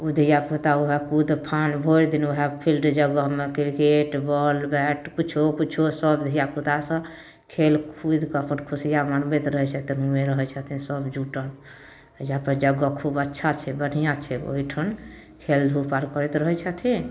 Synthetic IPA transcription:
ud̪ʱijaput̪auɦɛkud̪pʰanbʱoiɾd̪inuɦɛpʰilʈd͡ʒəɡəɦmekiɾkeʈbɔlbɛʈkut͡ʃʰokut͡ʃʰosəbd̪ʱijaput̪asə̃ | kʰelkʰud̪ʱkəpənkʰusijamanbet̪ɾəɦɛt͡ʃʰət̪iɦumeɾəɦɛt͡ʃʰət̪ʰĩsəbd͡ʒuʈən | japəɾd͡ʒəɡəkʰubətːʃʰat͡ʃʰɛbəɽ̤ijãt͡ʃʰɛo̰jʈʰən | kʰeld̪ʱupaɾkəɾɛt̪ɾəɦɛt͡ʃʰət̪ʰĩ

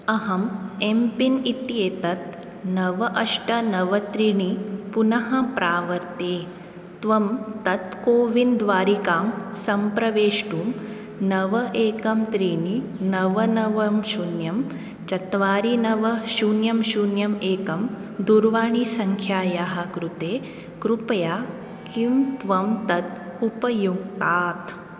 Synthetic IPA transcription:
ɐɦɐmempinit̪jeːt̪ɐt̪̚ | nɐʋɐʔɐʂʈɐnɐʋɐt̪ɾiɳipunɐɦɐpɾaːʋɐɾt̪eː | t̪ʋɐmt̪ɐt̪koːʋind̪ʋaːɾikaːmsɐmpɾɐʋeːʂʈuːm | nɐʋɐʔeːkɐmt̪ɾiɳinɐʋɐnɐʋɐmʃunjɐm | t͡ʃɐt̪ʋaːɾinɐʋɐʃuːnjɐmʃuːnjɐmeːkɐmd̪uɾʋaːɳisɐŋkʰjaːjaːɦɐ̆kɾut̪eː | kɾupɐjaː | kimt̪ʋɐmt̪ɐt̪̚upɐjuɡ̚t̪aːt̪

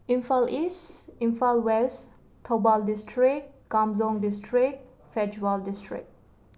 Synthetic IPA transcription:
ĩnfalisĩnfalwɛs | tʰːobaldɪstʰɹik̚kamzɔ̃ŋdɪstʰɹik̚ | fɛd͡ʒwaldɪstɹɪ̰k̚

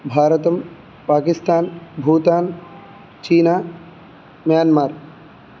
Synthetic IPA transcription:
bʱaːɾət̪ɐm | paːkɪst̪aːnbʱuːt̪aːn | t͡ʃiːnaː | mjaːnmaːɾ

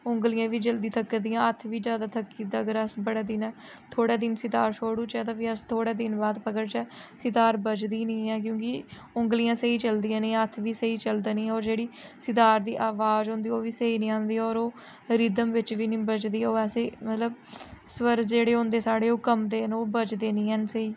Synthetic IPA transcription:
ʊ̃ŋɡlijãːʋiːd͡ʒəld̪iːt̪ʰəkːd̪ɪjãːət̪ʰʋiːd͡ʒjaːd̪aːt̪ʰəkːiːd̪aəɡəɾəsbəɽaːd̪ɪnɛː | t̪ʰoːɽaːd̪ɪnsɪt̪aːɾʃʰoːɽuːt͡ʃɛːt̪ãːpiːəst̪ʰoːɽaːd̪ɪnbaːd̪pəkəɾt͡ʃəsɪt̪aːɾbət͡ʃd̪iːnĩːɛːk̬jõːkɪ | ʊŋɡlijãːsəiːt͡ʃəld̪ijãːnĩːət̪ʰʋiːsəiːt͡ʃəld̪anĩːɛːɔːɾd͡ʒeːɽiːsɪt̪aːɾd̪ḭːʔaːʋaːzɦõːnd̪iːoːʋiːsəiːnĩːãːnd̪iːɛɔːɾoː | ɾiːd̪əmʋɪt͡ʃʋiːnĩːbət͡ʃd̪iːoːɛːseːmət̪ləbsʋəɾd͡ʒeːɽeːɦõːnd̪eːsaːɽeːoːkəmd̪eːnoːbət͡ʃd̪eːnĩːɦənsəiː

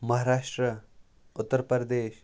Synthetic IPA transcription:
mɐɦaːɾaːʂʈɾə | ʊt̪ːəɾpəɾd̪eːʃ

